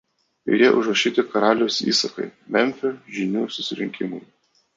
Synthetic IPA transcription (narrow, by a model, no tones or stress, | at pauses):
ɪ̰jʲiɛʔʊʒɾɐʃʲiːt̪ʲɪkɐɾɑːlʲɛʊsḭːsɐkɐɪmʲɛmʲfʲoʒʲɪnʲuːsʊsʲɪɾʲɪŋʲkʲɪmʊɪ